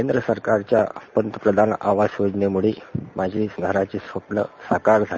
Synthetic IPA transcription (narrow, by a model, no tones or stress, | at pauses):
end̪ɾəsəɾkaɾt͡ɕjapənt̪əpɾəd̪ʱana̰ʋasjod͡ʑnemuɭiːmʔad͡ʑʱiːsnəɾat͡ɕiːsoʈlə̰sakaɾd͡zʱa